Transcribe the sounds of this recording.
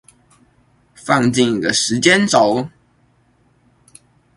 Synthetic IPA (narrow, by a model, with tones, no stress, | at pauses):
fɑ˥˧ŋt͡ɕi˥˩ŋi˨˩ɡə˧˦ʂɻ̩˧˥t͡ɕjɛ˥nt͡so˨˩˦ʊ